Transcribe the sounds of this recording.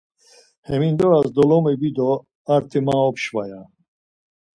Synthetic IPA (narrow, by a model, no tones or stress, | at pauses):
hɛmind̪ɔazd̪ɔlɔmɛbid̪ɔ | aɾt̪ʰɛmaɔpʃvaja